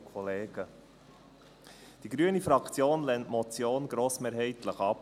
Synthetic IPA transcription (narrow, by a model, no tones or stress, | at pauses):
kʰɔleːɡ̥ə | d̥iɡɾyənifɾɑkt͡sjoːnlɛntmɔt͡sjoːnɡɾoːsmeːɾɦɛɪtləχɑp